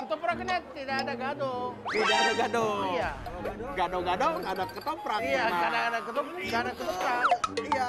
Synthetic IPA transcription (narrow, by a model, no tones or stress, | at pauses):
kət̪ɔpɾakənat̪idaadaɡadot̪idaadaɡadojaɡadoɡadɔŋadakət̪ɔpɾakijaadaadakət̪ɔɡadakət̪ɔpɾaia